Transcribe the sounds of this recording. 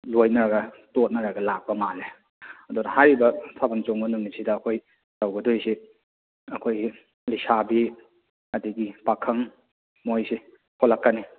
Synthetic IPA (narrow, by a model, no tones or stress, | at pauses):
lojnɐɾɐɡɐ | tot̚nɐɾɐɡɐlak̚pɐmale | ɐdunɐhajɾibɐsʰabɐnt͡ʃoŋbɐnuŋnisʰidɐːkʰoj | tawɡɐdojsi | ɐkʰoji | lisabi | ɐdiɡipakʰɐŋ | mojsi | kʰolɐkːɐni